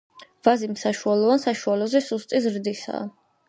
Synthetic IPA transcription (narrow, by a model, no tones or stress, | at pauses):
vazimsaʃualˠɔvansaʃualɔzɛsust̪ʼizɾd̪isa̰ː